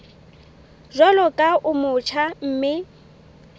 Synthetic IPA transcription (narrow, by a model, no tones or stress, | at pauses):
zɔlɔkʼaʔʊmʊt͡ʃʰam̩ːmɪ